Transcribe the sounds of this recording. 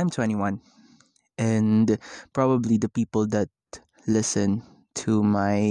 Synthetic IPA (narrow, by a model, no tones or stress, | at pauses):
ãɪ̃mtʰəɛniwʌ̃n | ɛ̃npɹ̥ɑbəblid̪əpipəl̩ˠd̪æt̚ | lɪsɨ̃n | tʰumaɪ